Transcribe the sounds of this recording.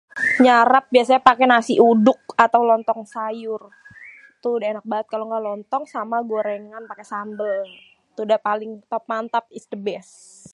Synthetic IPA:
ɲaɾap̚biasaɲapakɛnasiʔudʊk̚at̪awlɔnt̪ɔŋsajʊr | t̪udaenak̚baət̪̚kaloŋɡalɔnt̪ɔŋsamaɡaɾɛŋŋanpakɛsambəl | t̪udapalɪŋt̪ɔp̚mant̪ap̚istəbɛs

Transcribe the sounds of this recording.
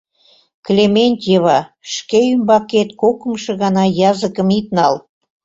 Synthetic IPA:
klʲemenʲt̪ʲjəβɑʃkeymbɑket̪kokə̆mʃĕɣɑnɑjɑzəkə̆mit̪nɑl

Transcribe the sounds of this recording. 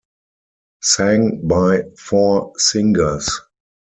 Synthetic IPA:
sæ̃ŋbaɪfɔːsɪ̃ŋɡə˞s

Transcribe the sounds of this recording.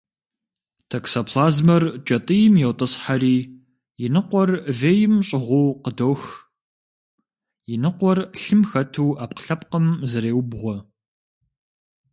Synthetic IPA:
tʰɐksɐpʰlaːzmɐrt͡ʃʼɐtʼɨjɪmjɛwtʼɨsħaɾiː | jɪnɨqʷɔrveːjɪmɕʼɪʁʷuːqədoːx | jɪnɨqʷɔrɬɨmxɐtʰuːaːp̚qə̥ɬɐp̚qəmzɨɾeːwbʁʷɔ

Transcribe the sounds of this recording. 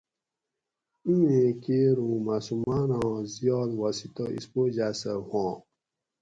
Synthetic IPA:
ũẽkeɾũmasumanãːzijɔːd̪wasit̪oʔḭspod͡ʑasəhõː

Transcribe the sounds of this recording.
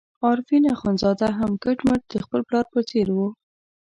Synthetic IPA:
ɑɾfinaxanzɑd̪aɦamkəʈmaʈ̚d̪̥əxpəlplɑɾpət͡seɾwu

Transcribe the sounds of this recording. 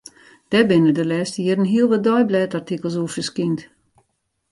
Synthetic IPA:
d̥ɛbɪnədəlɛːstəjɪɾən̩ɦiəlˠʋɔdɔjblɛːtartikəlˠs̬uəfəskint

